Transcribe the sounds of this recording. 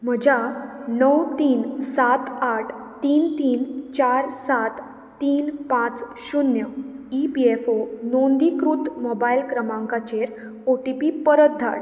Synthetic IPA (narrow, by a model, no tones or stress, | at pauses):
m̤əd͡ʑʱanəwt̪iːnsat̪aʈʰ | t̪iːnt̪iːnt͡ɕaɾsat̪ː | iːnpãt͡s | ɕunjəipiefonond̪ikɾut̪mobailkɾəmãŋkat͡ɕeɾ | oʈipipəɾət̪̚d̪ʱa̰ɽ